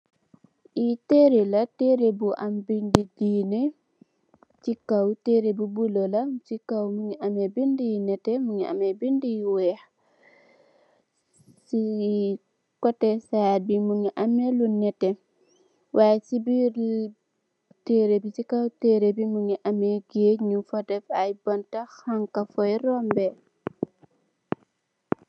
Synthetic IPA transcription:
ʔiteɾelateɾebuʔambindidiːne | t͡ʃikawteɾebubulolat͡ʃikːawmuŋiʔamɛbindijinɛtɛmuŋiʔa̰mɛbindijiwɛh | si | kɔtɛsajabimuŋiʔamɛlunɛtɛ | waːjsibiɾ | teɾebisikawteːɾebimuŋiʔameɡeɲufɔdɛfajbɐntaxaŋkafɔjrɔmbɛ

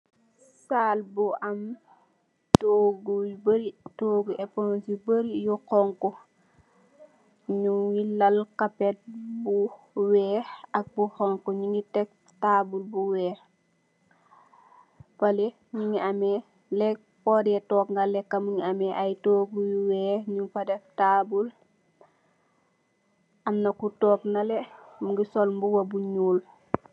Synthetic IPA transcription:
saːlbuʔɐm | toɡuwbəɾitoːɡuʔɛpɔnsibəɾijukɔŋkɔ | ɲuŋilɐlkapɛt̚bu | wɛːhɐk̚buxɔŋkɔɲiŋɡitɛk̚ | taːbulbuwɛːh | pɐle | ɲiŋiamɛ | lɛk̚ | pɔːdɛtɔːkŋɡalɛkːɐmuŋiɐmɛʔajtoːɡujuwɛːhɲuŋfɐdɛftaːbul | ʔɐmnɐkutɔːknɐlɛmuŋɡisɔlmbuwɐbuɲuːl

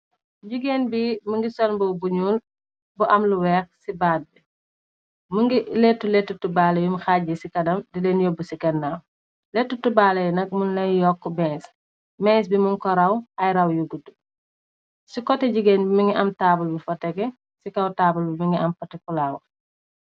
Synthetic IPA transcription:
ɟuɡenbiməŋɡisɔnbɔbuɲuːl | buʔɐmluwɛxsibaːd̚bɛ | muŋɡilɛtːulɛtːutubaːlɐjumxaɟisikɐdɐmdilenjɔbusikɐnːaw | lɛtːutubaːlɐjnɐk̚munlɐjjɔkːɔbɛns | mɛnsbimunkɔɾɐwɐjɾɐwjuɡudu | sikɔtːɛɟuɡeːnbimiŋɡiʔɐmtaːbulbifɐtːɛɡɛ | sikɐwtaːbulbimiŋɡiɐmpɐtikulaːw

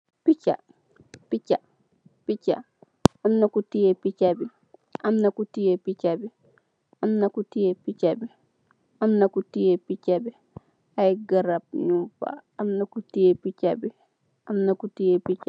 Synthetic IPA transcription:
pit͡ʃa̰ | pit͡ʃa | pica̰ | amnakutijepit͡ʃabi | ʔamnakutijepit͡ʃabi | ʔamnakutijepit͡ʃabi | ʔamnakutijepit͡ʃabi | ajɡaɾab̚ɲufa̰amnakutijepit͡ʃcabi | ʔamnakutijepit͡ʃa

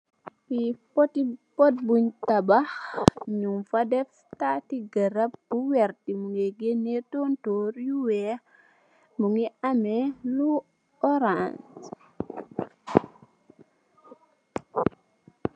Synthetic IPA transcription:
pipɔtipɔt̚buɲtabaxɲumfadɛf | tatiɡɐɾap̚b̥uwɛɾtimuŋeɡenetontoɾjuwɛ | muŋiamɛlu | ɔɾans

